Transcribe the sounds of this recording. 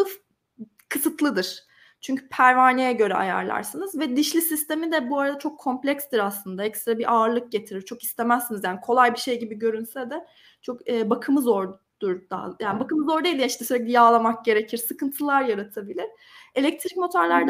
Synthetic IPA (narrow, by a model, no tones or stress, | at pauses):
ɯf | kʰɯsɯt̪ʰlˠɯd̪ɯɾ̥ | t͡ʃʰyɲcʰy̥pʰæɾvaːnijɛɟø̞ɾɛ̰a̰ja̰ɾlˠa̰ɾsɯnɯzvɛd̪iʃlʲisist̪e̞mid̪ɛbuaɾad̪at͡ʃʰo̞kʰːo̞mplʲɛcst̪iɾaslˠɯnd̪aɛcst̪ɾabiʔaɯɾlˠɯk̚ɟe̞t̪ʰiɾiɾt͡ʃʰo̞ki̥st̪ʰe̞mæsːinizjaːnikʰo̞lˠajbiʃe̞jɟibiɟø̞ɾynsɛd̪ɛ | t͡ʃʰo̞kɯːbakʰɯmɯzoɾ | d̪̥uɾd̪̥a̰jaːnibakɯmɯzo̞ɾd̪ejlʲd̪ʲijiʃt̪ɛsølʲec̚d̪ʲijaːlˠamak̚ɟe̞ɾecʰiɾsɯkɯnt̪ʰɯlˠaɾjaɾat̪ʰabilʲiɾ̥ | e̞lʲɛc̚t̪ʰɾic̚mo̞t̪ʰaɾlʲæɾd̪ɛ